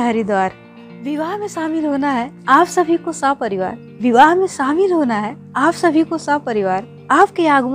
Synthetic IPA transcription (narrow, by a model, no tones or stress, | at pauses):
aɾid̪waːɾ | ʋɪʋaːɦmẽsaːmiːlɦoːnaɦɛaːpsɐbʱikosapɐɾɪʋa̰ːɾ | ʋɪʋaːɦmẽsaːmiːlɦoːnaɦɛ | aːpsɐbʱikosapɐɾɪʋaːɾ | aːp̚keaːɡʊm